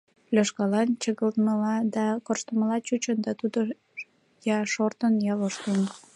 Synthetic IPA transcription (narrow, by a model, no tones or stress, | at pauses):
plʲøʃkɑlɑnt͡ɕəɣəlt̪məlɑd̪ɑkorʃt̪əməlɑt͡ɕut͡ɕənd̪ɑt̪ud̪o | jɑʃort̪ənjɑβoʃt̪un